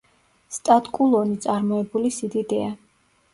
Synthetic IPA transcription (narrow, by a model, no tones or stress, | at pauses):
st̪ʼat̪kʼulˠɔnit̪sʼaɾmɔɛbulisid̪id̪ɛa